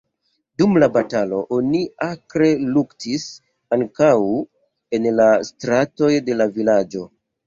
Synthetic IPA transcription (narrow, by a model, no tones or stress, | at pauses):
dumlabatalo̞ʔoniakɾe̞luktis | aŋkaw | e̞nlastɾato̞jde̞lavilad͡ʒo̞